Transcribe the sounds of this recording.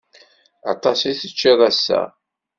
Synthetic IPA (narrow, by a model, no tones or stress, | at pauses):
ɑ̰t̪ˤɑsiθət͡ʃːiðˤæsːæ̰